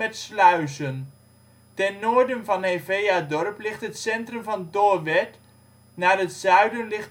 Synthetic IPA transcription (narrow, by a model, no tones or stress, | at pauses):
ɛtslœɥzən | tɛnːoːɹdənvɑnɦevejadɔrplɪχtɦətsɛntrəmvɑntoːɹʋɛt | naːrɦətsœɥdənlɪχ